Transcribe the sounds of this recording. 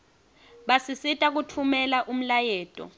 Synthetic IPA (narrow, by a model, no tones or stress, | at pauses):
ɓasisitʼak̬utʰumɛlaʔum̩lajɛːtʼɔ̰